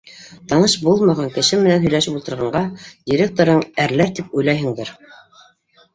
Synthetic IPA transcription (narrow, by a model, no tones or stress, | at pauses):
t̪ɑnɤʃbulˠmɑʁɑŋkɘ̆ʃɘmɘ̆nænɦɵ̆jlæʃɘpulˠt̪ɤ̆ɾʁɑɴɢɑd̪ʲiɾʲek̚t̪oɾɤɴæɾlæɾt̪ip̚ujlˠɑjɦɤ̆ŋd̪ɤɾ